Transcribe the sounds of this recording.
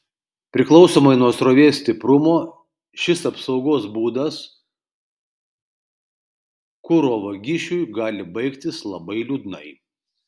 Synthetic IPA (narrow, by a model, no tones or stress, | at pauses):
pʲɾʲɪklˠɒʊsoːmɐɪnuɔsɾoːʋʲeːsʲt̪ʲɪpɾʊmoː | ʃʲɪsɐpsɒʊɡoːsbuːd̪ɐs | kʊɾoːʋɐɡʲɪʃʲujɡɑːlʲɪbɐɪkt̪ʲɪslˠɐbɐɪlʲuːd̪ʲnɐɪ